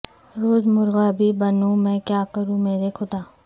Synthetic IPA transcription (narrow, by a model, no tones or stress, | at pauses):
ɾoːzmʊɾɣabʱibɐnũmɛ̃kjaːkəɾũmeːɾexʰʊd̪aː